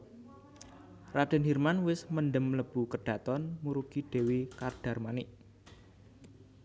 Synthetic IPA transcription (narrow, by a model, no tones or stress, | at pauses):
rad̥ɛ̤nɦirmanwɪsmənɖəmləb̥ṳkəɖ̥a̤t̪ɔnmuɾukiɖ̥e̤wikard̥a̤rmanɪʔ